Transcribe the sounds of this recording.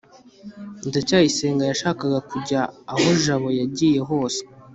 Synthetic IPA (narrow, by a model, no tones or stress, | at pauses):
ntacaːjise̞ːŋɡajaʃaːkaɡakuɟaːho̞ʒaβo̞jaɟiːje̞ɦo̞ːse̥